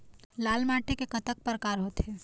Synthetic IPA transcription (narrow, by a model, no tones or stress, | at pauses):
laːlmaːʈekekɐt̪ək̚pəɾkaːɾɦoːt̪ɦeː